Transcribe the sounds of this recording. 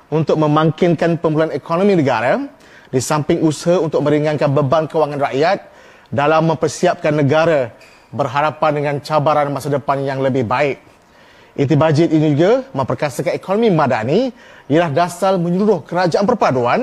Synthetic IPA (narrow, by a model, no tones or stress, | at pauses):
unt̪ʊk̚mə̃mãŋkɪnkanpəmbuluanekʰonomĩnəɡaɾa | disampɪŋusəɦaunt̪ʊk̚mə̃ɾiŋãnkanbəbaŋkəwaŋãnraʔjat̪̚ | dalamːə̃mpərsiap̚kanːə̃ɡaɾa | bərɦaɾapandəŋãnt͡ʃabaɾanmasadəpanjaŋləbɪhbaɪk̚ | ʔit̪̬ubad͡ʒɪt̪̚inid͡ʒuɡamə̃mpərkasakanekonomĩmãdaniijəlahdasalmə̃ɲuluɾʊhkəɾad͡ʒaʔanpərpaduan